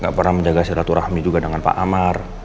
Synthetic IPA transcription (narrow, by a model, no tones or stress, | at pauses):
ŋɡa̰ʔpərnaməɲd͡ʒaɡasiɾat̪uɾahmid͡ʒuɡadəŋanpa̰ʔamar